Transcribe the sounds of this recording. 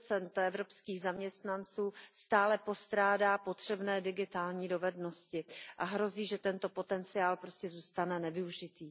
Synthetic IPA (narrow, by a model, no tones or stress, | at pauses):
t͡sɛnt̪ɛvɾo̞pskiːɣzamɲɛst̪nant͡suːst̪aːlɛpo̞st̪ɾaːdaːpo̞t̪r̝̥ɛbnɛːdɪɡɪt̪aːlɲiːdo̞vɛdno̞scɪʔaɦɾo̞ziːʒɛt̪ɛnt̪o̞po̞t̪ɛnt͡sɪaːlpɾo̞scɛzuːst̪anɛnɛvɪuʒɪt̪iː